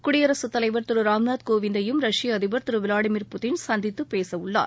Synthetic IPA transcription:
kʊɽɪjɐɾɐsɯt̪ːɐlɐɪʋɐɾt̪ɯɾɯɾaːmnaːd̪koːʋɪnd̪ɐjɯmɾɐʂɪjɐːðɪʋɐɾt̪ɯɾɯʋɪlaːɽɪmiːɾpʊt̪ɪnsɐnd̪ɪt̪ːɯpeːsɐʋɯɭːa̰ːɾ

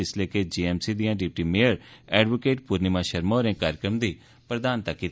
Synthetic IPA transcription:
ɪsleːked͡ʒiːɛːmsiːd̪ijãːɖɪp̚ʈiːmeːjəɾɛːɖʋoːkeːʈ̚puːɾniːmãːʃəɾmaːɾẽːkaːɾjəkɾəmd̪iː | pɾəd̪aːnt̪əkːiːt̪

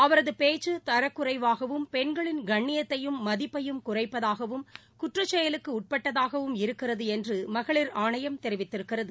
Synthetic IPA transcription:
ɐʋɐɾɐðɯpeːt͡ʃːɯt̪ɐɾɐkːʊrɐɪʋaːɣɐʋɯmpɛnɡɐɭɪnɡɐɳːɪjɐt̪ːɐjɯmːɐðɪpːɐjɯmkʊrɐɪpːɐðaːɣɐʋɯm | kʊʈrɐt͡ʃːɛjɐlɯkːɯʊʈ̚pɐʈːɐðaːɣɐʋɯmɪɾɯkːɪrɐðɯɛndrɯmɐɣɐɭɪɾaːɳɐjɐmt̪ɛɾɪʋɪt̪ːɪɾɯkːɪrɐðɯ

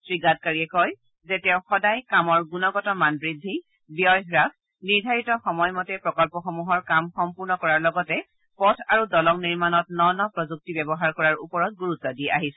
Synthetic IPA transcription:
sɹiɡat̚kaɹiɛkɔj | zetɛʊxɔdajkamɔɹɡunɔɡɔtɔmanbɹidʱːi | bijɔjɦɹak | niɹdʱaɹitɔxɔmɔjmɔtɛpɹɔkɔlpɔxɔmuɦɔɹkamxɔmpuɹnɔkɔɹaɹlɔɡɔtɛ | pɔtʰaɹudɔlɔŋniɹmanɔtnɔnɔpɹɔzuk̚tibɛbɔɦaɹkɔɹaɹṵpɔɹɔt̚ɡuɹutːɔdiɛʔa̰ɦisɛ̥

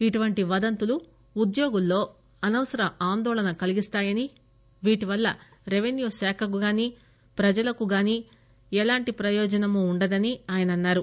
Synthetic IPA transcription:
iʈuʋɐɳʈiʋɐd̪ɐnt̪uluː | d̪joːɡulːo̞ː | ɐnɐʋɐsɐɾɐaːnd̪ɔːlɐnɐkɐliɡist̪aːjɐni | ʋiːʈiʋɐlːɐ̰ | ɾeʋenjuːʃɛːkʰɐk̬uɡaːniː | pɾɐd͡ʒɐlɐkuɡaːniː | ɛlaːɳʈipɾɐjɔːd͡ʒɐnɐmuːɳɖɐd̪ɐniaːjɐnɐnːaːɾu

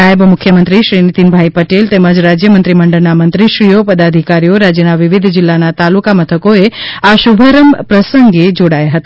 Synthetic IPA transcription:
aəbmʊkʰjəmənt̪ɾiʃɾinit̪inbʱaipəʈelt̪eməd͡ʒɾad͡ʒjəmənt̪ɾiməɳɖəɾnamə̃nt̪ɾiʃɾijopəd̪ad̪ʱikaɾijoɾad͡ʒjənaʋiʋid̪ʱd͡ʒɪlːanat̪alukamət̪ʰəkoeaʃubʱəɾəmpɾəsəŋɡed͡ʒoɽajaɦət̪a

